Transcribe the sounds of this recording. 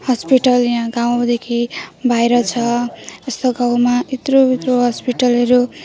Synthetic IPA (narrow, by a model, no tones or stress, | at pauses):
hʌspiʈʌljãɡaw̃d̪ekʰibʱajɾʌt͡sʰʌest̪oɡaw̃mait̪robit̪roɦʌspiʈʌlʌɾu